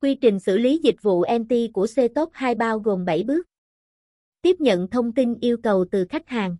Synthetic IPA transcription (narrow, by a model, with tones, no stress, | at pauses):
kwi˧t͡ɕï˨˩ŋ̟sɨ̰˧˩li˨˦zï˨˩k̟̚vṵ˧˨ʔɛ˧mt̪i˧ku˧˩əse˧t̪o˦˥t̚haː˧jɓaː˧wɣo˨˩mɓə˧˩jɓɨ˦˥ək̚ | t̪i˦˥əp̚ɲə̰˧˨nt̪ʰə˧wŋ͡mt̪i˧nʔi˧əwkə˨˩wt̪ɨ˨˩xa˦˥jk̟̚haː˨˩ŋ